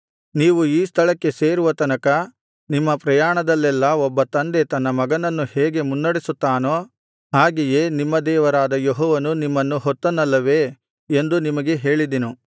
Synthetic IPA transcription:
niːʋuiːst̪ʰɐɭɐkːe̞seːɾuʋɐt̪ɐnɐkɐ | nimːɐpɾɐjaːɳɐd̪ɐlːɛlːɐɔbːɐt̪ɐnd̪e̞t̪ɐnːɐmɐɡɐnɐnːuheːɡe̞munːɐɽesut̪ːaːno | ɦaːɡije̞ːnimːɐd̪ɛːʋɐɾaːd̪ɐjoɦɔːʋɐnunimːɐnːuɦɔt̪ːɐnɐlːɐʋe̞ː | nd̪unimɐɡe̞ɦe̞ːɭid̪inu

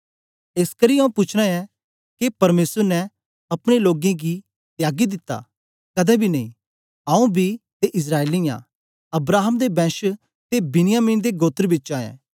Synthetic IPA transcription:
eːskɐɾiɐ̃ũpʊt͡ʃʰɽ̃aɛ | kepɐɾmeːsəɾnɛ | ɐpɽ̃eloːɡẽɡi | t̪jaːɡid̪ɪt̪ːa̰ː | kɐd̪ɛbʱinɐĩ | aũbʱit̪eʔɪs̬ɾaːelijã̰ | ɐbɾaːɦəmd̪ebɛ̃ːʃə | t̪ebɪnɪjaːmiːnd̪eɡoːt̪əɾbɪtːt͡ʃaːɛ̰̃ː

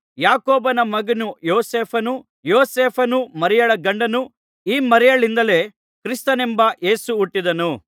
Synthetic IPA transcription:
jaːkoːbɐnɐmɐɡɐnujoːseːpʰɐnu | joːseːpʰɐnumɐɾɛjɐɭɐɡɐɳɖɐnu | iːmɐɾɛjɐɭind̪ɐle̞ː | kɾist̪ɐnembɐʔe̞ːsuːʈːid̪ɐnu

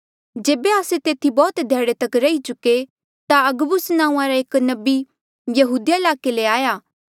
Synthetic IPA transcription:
d͡ʒeːbeaːset̪eːt̪ʰibɔːt̪d̪ʱeːɽet̪ɐkɾɐit͡ʃʊkːe | t̪aɐɡəbʊsnãːũãɾaeːknɐbi | jɐɦuːd̪ijaɪlaːkeleaːjaː

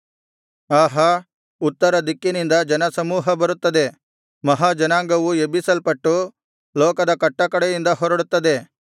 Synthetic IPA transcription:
aːɦɐ | ut̪ːɐɾɐd̪ikːinind̪ɐd͡ʒɐnɐsɐmuːɦɐbɐɾut̪ːɐd̪e̞ | mɐɦaːd͡ʒɐnaːŋɡɐʋuebisɐlpɐʈːu | lɔːkɐd̪ɐkɐʈːɐkɐɽɛjind̪ɐɦɔɾɐɽut̪ːɐd̪e̞

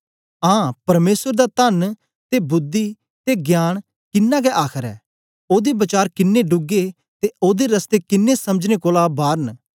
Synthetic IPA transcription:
ãːpɐɾmeːsəɾd̪at̪ən | t̪ebʊd̪ːi | t̪eɡjaːɽ̃ | kɪnːãːk̬ɛʔaːkʰəɾɛ̰ː | oːd̪ebɐt͡ʃaːɾkɪnːeɖʊɡe | t̪eoːd̪eɾɐst̪eːkɪnːesɐməd͡ʒnekoːlabaːɾən

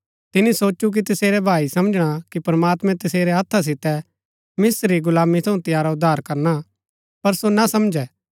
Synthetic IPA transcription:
t̪ɪnisoːt͡ʃuk̬it̪ɪseːɾɛbʱaːisɐmd͡ʒɽ̃akipɾɐmaːt̪mɛ̃t̪ɪseːɾɛɦɐt̪ʰːas̬ɪt̪ɛ | mɪsɾiɡʊlaːmit̪ʰɐ̃ũt̪ɪjaːɾaʊd̪ʱːaːɾkɐɾna | pɐɾsonasɐmd͡ʒɛ

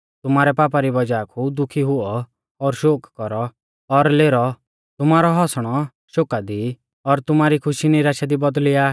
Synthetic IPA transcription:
t̪ʊmaːɾɛpaːp̬aɾibɔd͡ʒaːkʰud̪ʊkʰiɦʊɔ | ɔɾʃoːkkɔɾɔ | ɔɾleːɾɔ | t̪ʊmaːɾɔɦɔsɽ̃ɔ | ʃoːkad̪i | ɔɾt̪ʊmaːɾikʰʊʃinɪɾaːʃad̪ibɔd̪lɪaː

